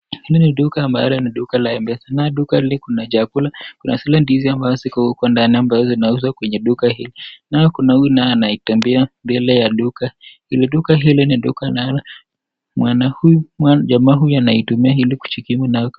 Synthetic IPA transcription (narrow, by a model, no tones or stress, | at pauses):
hiliniɗukaːmba̰lɔniɗukalaɛmbɛsanaɗukahilikunad͡ʒakulakunʔasilandiiziambazɔzikɔhukɔndaniambazɔzinauzwakwɛɲɛɗukaɦilinajɔkunahujunajɔanaitɛmbɛambɛlɛjaɗukahiliɗukaɦiliniɗukanala | mwanahujuwaʄamaːɦujuanaitumiaɦiliku̥t͡ʃikimunajɔ